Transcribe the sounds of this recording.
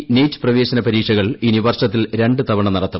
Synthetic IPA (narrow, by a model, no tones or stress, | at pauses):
neːt͡ɕːɨ̥prɐʋe̞ːɕɐnɐpɐɾiːkʂɐɣɐɭiːniʋɐrʂɐt̪ːilɾe̞ɳɖɨt̪ɐʋɐɳɐmnɐɽɐt̪ːuɐm